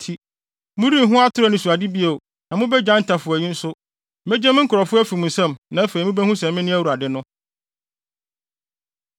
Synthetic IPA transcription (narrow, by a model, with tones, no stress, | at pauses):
tʰi˨ | mʊ̃˦ɾi˦˨ɦʊ̃˦a˦tʰʊ˦ɾɛ˦˨nʊ̃˨su˨a˨di˦bi˦e˨ | nã˨mʊ̃˦bɛ˦d͡ʑã˦n̩˨tʰa˨fʊ˨æ˨ɪ˦n̩˦sʊ˦ | mɛ˦d͡ʑɛ̃˦m̃˦ŋ̩˦kʰʊ˨ɾɔ˨fʊ˦æ˦fi˨mũ˨n̩˨sɛ̃˦mnã˨˦æ˦fe˨i˨mũ˦bɛ˦hũ˦sɛ̃˨m˦mɪ̃˦nɪ̃˦æ˦wu˨ɾa˨dɪ˦nʊ̃˦